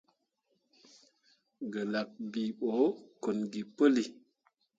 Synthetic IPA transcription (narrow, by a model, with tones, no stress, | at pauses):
ɡə˨la˨k̚bi˨ɓo˨˦ko˨nɡi˨pə˦li˨